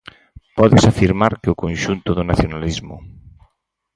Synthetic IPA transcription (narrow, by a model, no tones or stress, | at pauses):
pɔðesafiɾmaɾkeʊkõnʃunt̪ʊðʊnaθjonalizmʊ̰